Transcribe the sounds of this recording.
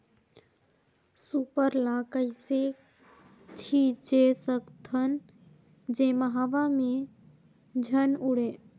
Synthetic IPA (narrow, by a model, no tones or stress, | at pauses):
supəɾlaːkəɪse | t͡ʃʰiːt͡ʃesəkt̪ʰən | d͡ʒẽːməɦaʋamẽ | d͡ʒʱənʊɽeː